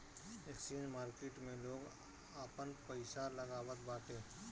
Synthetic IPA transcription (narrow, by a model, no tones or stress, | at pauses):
eksinmaːɾkeʈmẽloːɡ | aːpənpəɪsalɐɡaːwət̪baːʈẽː